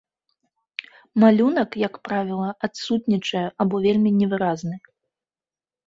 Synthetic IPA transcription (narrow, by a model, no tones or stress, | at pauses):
malʲun̪ɐkjɐkpɾavʲilˠɐʔat̪sut̪nʲit͡ʂɐjɛʔabɔvʲelʲmʲinʲɛvɨɾaznɨ